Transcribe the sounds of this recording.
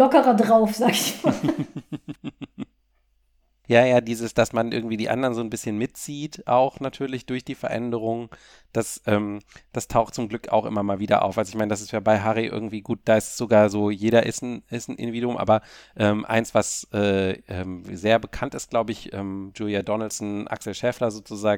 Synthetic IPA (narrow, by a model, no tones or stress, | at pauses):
ɔkəʁɐdʁaʊfz̥aːɡɪçmaː | jaːjaːdiːzəsd̥asmanʔɪɐɡŋ̩tv̥iːdiːʔa̰ndɐʁnzoːnbɪsçənmɪtt͡siːtʔaʊxnatʰyːɐlɪçd̥ʊɐçd̥iːfɛɐʔɛ̰ndəʁ̞ʊŋ | d̥asʔɛːmd̥astʰaʊxtt͡sʊmɡlʏka̰ʊxʔɪ̰mɐmaːlviːdɐ̰ʔa̰ʊfʔalzoɪçmaɪnədas̬ɪstjaːbaɪɦaʁiʔɪ̰ɐɡŋ̩tv̥iːɡuːt̚d̥aːɪstsz̥oɡaːɐzoːjeːɾɐʔɪ̰sn̩ɪstn̩ʔɪ̰ndiviːduʊmʔa̰ːbɐʔɛːmʔa̰ɪnsv̥asʔɛːʔɛːmzeːɐbəkʰantɪst̚ɡ̥laʊbəɪçʔɛːmd͡ʒuːljadɔnl̩sn̩ʔa̰ksl̩ʃɛːflɐzoːt͡suzaːɡ